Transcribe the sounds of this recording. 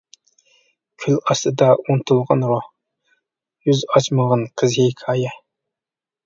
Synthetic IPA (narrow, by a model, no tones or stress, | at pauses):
kʲʰylɑst̪ɨd̪ɑunt̪ʰulˠʁɑnɾoh | jyzɑt͡ʃməʁɑnqʰəzhejkʰɑːjɛ